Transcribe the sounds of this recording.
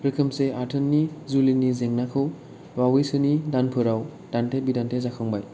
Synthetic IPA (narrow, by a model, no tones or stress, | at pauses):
ɾɯkʰɯmseaɾtʰɯnːizulinizeŋnakʰɯw | wawijsɯnidanpʰɯɾaw | d̥antʰebidantʰezakʰɯŋbaj